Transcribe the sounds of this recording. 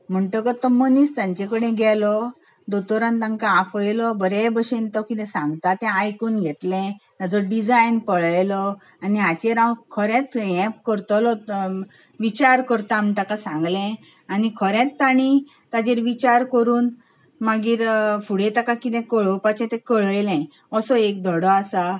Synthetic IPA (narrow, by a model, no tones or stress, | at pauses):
m̤əɳʈəkət̪ːɔmənist̪ãɲt͡ɕekəɽ̃ẽɡʱɛlɔ | d̪ot̪ɔɾãnt̪aŋkaːfəjlɔbəɾebəɕent̪ɔkit̪ɛ̃sãŋɡt̪at̪ɛ̃ajkuːnɡʱet̪lẽt̪ad͡zɔɖid͡zajnpəɭjlɔ | aniat͡ɕeɾãwkʰəɾɛ̃t̪ɛ̃pkəɾt̪ɔlɔ | ʋit͡ɕaɾkəɾt̪am̤ɳʈakasãŋɡlɛ̃ | anikʰɔɾɛ̃t̪ːaɽ̃i | t̪ad͡ʑeɾʋit͡ɕaɾkəɾuːn | maɡiːɾfuɽẽt̪akakit̪ɛ̃kəɭɔwpat͡ɕɛ̃t̪ɛ̃kəɭəjlɛ̃ | ɔsɔek̚d̪ʱɔɽɔasa